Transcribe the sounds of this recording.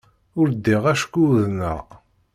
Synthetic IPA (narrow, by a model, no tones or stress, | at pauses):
ʊɾd̪ːiʁæʃkːuðnə̰ʁ